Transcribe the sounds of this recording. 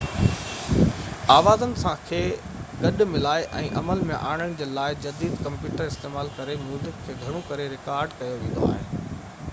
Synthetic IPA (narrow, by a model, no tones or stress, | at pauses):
aːʋaːzənɪ̆sãkʰeː | ɠɐɗ̆mɪlaːeʔɛ̰̃ːʔɐməlmẽʔa̰ːɪɽ̃əɽ̃̆d͡ʑeːlaːɪd͡ʑɐd̪iːd̪kɐ̃mpjuːʈəɾɪst̪eːmaːlkɐɾemjuːzɪkʰːeːɡʱɐɾ̃õkɐɾeɾɪkaːɾɖkɐjoʋẽːnd̪o̰aːɦɪnɪ̆